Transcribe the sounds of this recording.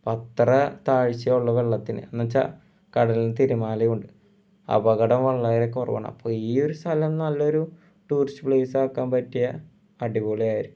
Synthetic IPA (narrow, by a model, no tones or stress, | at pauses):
pɐt̪ːrɐt̪aːɻɕijɐuɭːɐʋe̞ɭːɐt̪ːinɨ̰ɐnːɐt͡ɕːa̰ | kɐɽɐliet̪iɾumaːlɐjuɳɖɨ | ɐ̰bɐɣɐɽɐmʋɐɭːaːjiɾekːorɐ̰ʋɐ̰ɳɐmɐ̰pːoːiːo̞ɾust̪ʰɐlɐmnɐlːɐo̞ɾu | ʈuːrisɨ̥pɭeːsaːkːaːmpɐtːijɐ | ɐɽiboːɭijaːjiɾukː